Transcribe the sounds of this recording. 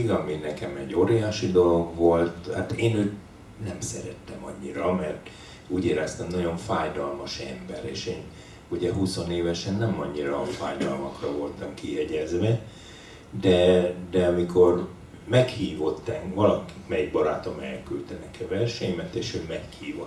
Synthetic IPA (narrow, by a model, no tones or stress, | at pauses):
iɡɒminɛkɛmɛɟːoɾijaːʃid̪o̞lo̞ɡʋo̞lt̪ha̰t̪eːnøːt̪ | nɛmsɛɾɛt̪ːɛmɒ̰ɲːiɾɒmɛrt̪ | uːɟeːɾɛst̪ɛmnɒɟo̞ɱfaːjd̪ɒlmɒʃɛ̰mbɛɾḛːʃeːn | uɟɛɦuso̞neːvɛʃɛnːɛmɒɲːiɾɒfaːjd̪ɒlmɒkrɒvo̞lt̪ɒmkijɛɟɛzʋɛ | d̪ɛd̪ɛɒmiko̞r | mɛkhiːvo̞t̪ːɛŋvɒlɒkikmɛjiɡ̚bɒɾa̰ːt̪o̞mɛlkylt̪ɛnɛkʰɛvɛrʃɛɲmɛt̪eːʃøːmɛkhiːvo